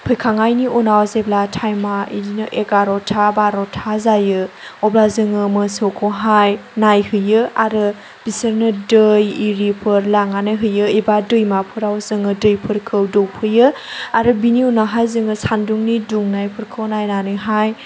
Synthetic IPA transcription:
pʰɯjkʰaŋajniʔunawzeblatʰajmaʔidinɯʔekaɾɔtʰabaɾɔtʰazajɯɔblazɯŋɯmɯsokʰoɦajnajhɯjɯaɾɯ | b̥isəɾnɯdɯjiɾipʰɯɾlaŋanɯɦɯjɯibadɯjmapʰɯɾawzɯŋɯdɯjpʰɯɾkʰɯwdowpʰɯjɯaɾɯbiniunaɦajzɯŋɯsanduŋniduŋnajpʰɯɾkʰɯwnajnanɯɦaj

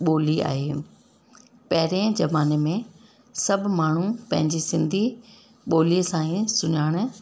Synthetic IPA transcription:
ɓoːlia̰ːɦeː | pɐɦɪɾẽd͡ʑɐʋaːnemẽ | sɐbʱmaːɳ̤upɐ̃ɦɪ̃ɲd͡ʑisɪ̃nd̪ʱi | ɓoːlisãːĩsʊɲaːɽ̃̆

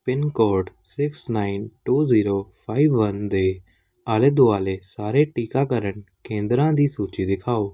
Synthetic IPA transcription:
pɪnkɔːɾɖsɪksnaːinʈuːziːɾoːpʰaːiːʋːənd̪eː | aːleːd̪ʊaːleːsaːɾeːʈiːkaːkəɾəɳkẽːnd̪ɾãːd̪iːsuːt͡ʃiːd̪ɪkʰaːoː

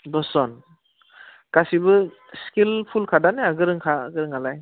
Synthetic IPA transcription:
bɔsɔn | kasibɯ | skilpʰulkʰadaneaɡɯɾɯŋkʰaɡɯɾɯŋalaj

